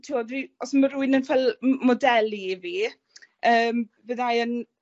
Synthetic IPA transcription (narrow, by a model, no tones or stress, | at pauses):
tʰiwɔdiɔsməɾuɨnənfɛlˠmɔdɛlˠiviː | əːmvəðajən